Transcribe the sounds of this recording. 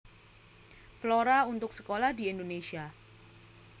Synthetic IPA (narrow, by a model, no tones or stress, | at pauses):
floɾaunt̪ʊksə̥kolahdiɛndonesia